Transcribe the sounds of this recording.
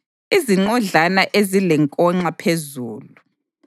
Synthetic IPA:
iziŋ͡ǃɔɮanaʔezilɛŋkʼɔŋ͡ǁapʰezuːlu

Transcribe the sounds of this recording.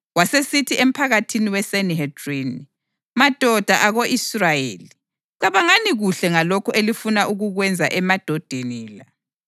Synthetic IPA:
wasesitʰiʔem̩pʰaɣatʰiniwɛseniɦed̥rini | mad̥ʱɔd̥ʱaʔaɣoʔisrajeːli | ǀaβaŋaniɣuɬɛŋalokʰuʔelifunaʔuɣuɣwɛnd͡zʱa̰ʔɛmad̥ʱɔd̥ʱeniːla

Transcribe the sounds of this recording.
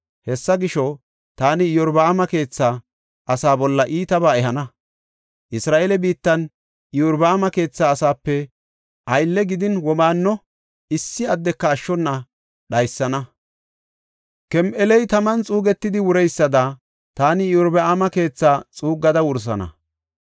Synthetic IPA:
hɛsːɐɡɪʃɔ | t̪aːnɪɪjɔɾbɐːmɐke̞ːt͡sːaː | ʔɐsaːbɔlːɐʔiːt̪ɐbaːɛɦɐnɐ | ʔɪsɾaːʔelɛbiːt̪ːɐn | ɪjɔɾbɐːmɐke̞ːt͡sːaːsaːpːɛ | ʔɐjlːɛɡɪd̪ɪnwɔmaːnːɔ | ɪsːɪɐd̪ːɛkːɐːʃːɔnːɐ | ɗɐjsːɐnɐ | kɛmʔɛlɛjt̪ɐmɐnt͡sʼuːɡɛt̪ːɪd̪ɪwʊɾɛjsːɐd̪ɐ | t̪aːnɪjɔɾbɐamɐke̞ːt͡sːaːt͡sʼuːɡːɐd̪ɐwʊɾs̬ɐ̰nɐ̰

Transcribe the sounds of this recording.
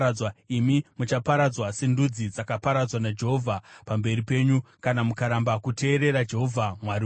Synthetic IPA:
waimimut͡ʃapaɾad͡zwasendud͡zid͡zakapaɾad͡zwanad͡ʒe̞ɦo̞vʱapambe̞ripe̞ːɲukanamukaɾambakute̞ːɾe̞ɾad͡ʒe̞ɦo̞vʱamwari

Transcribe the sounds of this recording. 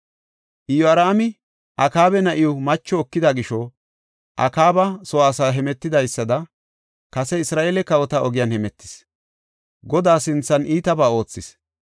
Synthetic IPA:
ʔɪjɔɐɾaːmɪ | ʔɐkaːbɛnɐʔɪjɔmɐt͡ʃːɔːkːɪd̪aɡɪʃɔ | ʔɐ̰kaːbɐsɔwaːsaːɦɛmɛt̪ːɪd̪ɐjsːɐd̪ɐ | kɐsɛɪsɾaːʔeːlɛkɐwɔt̪ɐɔɡɪjɐnhɛmɛt̪ːɪ̥s | ɡɔd̪aːsɪnt͡sːɐniːt̪ɐbaːo̞ːt͡sːɪs

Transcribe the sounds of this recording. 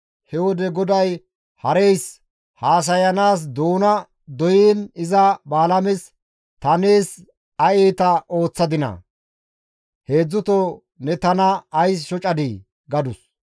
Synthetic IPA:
hɛwɔd̪ɛɡɔd̪ɐj | hɐɾejs | haːs̬ɐjɐnaːs̬d̪oːnɐ | d̪ɔjiːnɪzɐbaːlɐmɪs | t̪ɐneːs | ɐjeːt̪ɐʔo̞ːt͡sːɐd̪ɪnɐ̰ | he̞ːd͡zːʊt̪o | nɛt̪ɐnɐːjsʃɔt͡ʃʼɐd̪ɪ | ɡɐd̪ʊs

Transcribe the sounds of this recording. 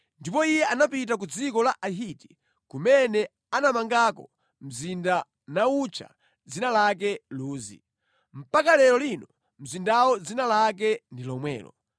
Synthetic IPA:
ndipɔijɛanapit̬ak̬ud͡zikɔlaʔaɦiti̥ | kumɛnɛ | anamaŋɡakɔ̰ | m̩zinda | naut͡ʃʰa̰ | d͡zinalak̬ɛluːzḭ | m̩pakalɛɾɔlinɔ | m̩zindawɔd͡zinalak̬ɛndilɔmwɛ̰ːlɔ̰

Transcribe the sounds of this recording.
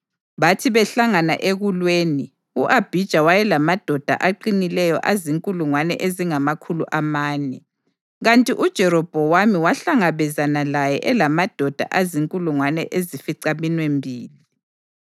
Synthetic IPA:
βatʰiβɛɬaŋana̰ʔeɣulweːni | uʔab̥ʱid̥ʒ̥ʱawajɛlamad̥ʱɔd̥ʱa̰ʔaǃinilɛjɔ̰ʔaziŋkʼuluŋwanɛ̰ʔeziŋamakʰuluʔamaːnɛ | ɣantʼiʔud̥ʒ̥ʱɛɾɔb̥ʱɔwamiwaɬaŋaβɛzanalajɛʔɛlamad̥ʱɔd̥ʱa̰ʔaziŋkʼuluŋwanɛ̰ʔezifiǀaminwembʱiːli

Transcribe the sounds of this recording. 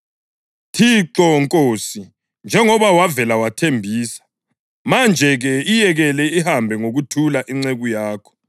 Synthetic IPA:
tʰiǁɔŋkʼoːsi | nd͡ʒʱɛŋɔβawavɛlawatʰembʱiːsḁ | mand͡ʒʱɛɣɛijɛɣɛlɛihambʱɛŋoɣutʰulaʔiŋ͡ǀeɣujaːkʰɔ̥

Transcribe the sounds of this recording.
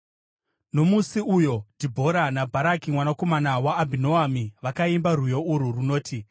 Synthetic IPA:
no̞musiujo̞dibʱo̞ɾanabʱaɾakimwanako̞manawaːbʱinoamiʋakaimbarujo̞uɾuruno̞ːtʰi

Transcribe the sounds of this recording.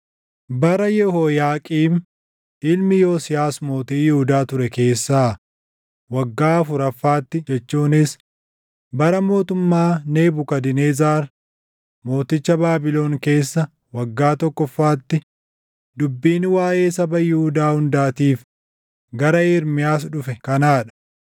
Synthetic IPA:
bɐɾɐjɛhoːjaːkʼiːm | ɪlmɪjoːsɪjaːsmo̞ːt̪iːjɪhʊd̪aːt̪ʊɾɛke̞ːsːaː | wɐɡːaːɐfʊɾɐfːaːt̪ːɪd͡ʒɛt͡ʃːuːnɪs | bɐɾɐmo̞ːt̪ʊmːaːne̞ːbʊkɐd̪ɪneːzaːɾ | mo̞ːt̪ɪt͡ʃːɐbaːbɪlo̞ːŋke̞ːsːɐ | wɐɡːaːt̪ɔkːɔfːaːt̪ːɪ | d̪ʊbːiːnwaːje̞ːsɐbɐjɪhʊd̪aːhʊnd̪aːt̪iːf | ɡɐɾɐɪːɾmɪjaːsᶑʊfɛkɐnaːᶑɐ̥

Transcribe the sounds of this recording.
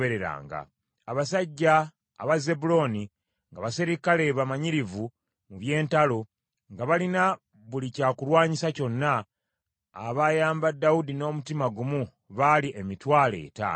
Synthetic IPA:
eɾe̞ɾa̰ːŋɡa̰ː | βasaɟːa̰ː | βaze̞bulo̞ni | ŋɡaβaseɾikale̞βamaɲiɾivu | muβje̞ːntalo̞ | ŋɡaβalina | βulicaːkulwaːɲisaco̞nːaː | βajaːmbadːaudino̞ːmutimaɡumu | βaliʔemitwaːle̞̰ːta̰

